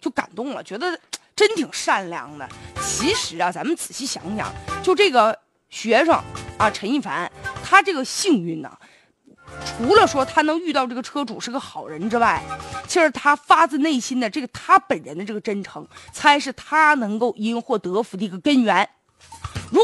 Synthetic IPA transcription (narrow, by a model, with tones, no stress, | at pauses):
t͡ɕjo˥˩ʊka̰˨˩nt̪ʊ˥˩ŋlə̰˩t͡ɕɥɛ˧˥d̪ə˧ʈ͡ʂə˥nt̪ʰi˨˩ŋʂa˥˩nljɑ̰˥˩ŋnə̰˨t͡ɕʰi˧˥ʂɻ̩˨˩˦ɐ˧t͡sa˧˥mə˨nt͡sɹ̩˨˩ɕʰi˥˩ɕjɑ̰˧˥ŋɕjɑ̰˨˩˦ŋt͡ɕjo˥˧ʊʈ͡ʂɤ˥˩ɡə˩ | ɕɥɛ˧˥ʂɑ˥˩ŋɐ˧˩ʈ͡ʂʰə˧˥ŋi˥˩fa̰˧˥nt̪ʰa˥ʈ͡ʂɤ˥˩ɡə˩ɕi˥˧ŋy˥˩nːə̰˩ | ʈ͡ʂʰu˧˥lə˧ʂwɔ˥t̪ʰa˥nɤ˧˥ŋy˥˧t̪ɑ˥˧ʊʈ͡ʂɤ˥˩ɡə˩ʈ͡ʂʰɤ˥ʈ͡ʂu˨˩ʂɻ̩˥˧ɡə˧xɑ˨˩ʊɻə˧˥nʈ͡ʂɻ̩˥wa˥˩ɪt͡ɕʰi˧˥ʂɻ̩˧˥t̪ʰa˥fa˥t͡sɹ̩˥˧ne˥˩ɪɕi˥nd̪ə˨ʈ͡ʂɤ˥˩ɡə˩t̪ʰa˥pə˨˩nɻə˧˥nd̪ə˧ʈ͡ʂɤ˥˩ɡə˩ʈ͡ʂə˥nʈ͡ʂʰɤ˧˥ŋt͡sʰa˧˥ɪʂɻ̩˥˩t̪ʰa˥nɤ˧˥ŋko˥˩ʊʔi˥nxwɔ˥˩t̪ɤ˧˥fu˧˥d̪ə˧i˧˥ɡə˧kə˥nɥɛ˧˥n | ɻu˧˥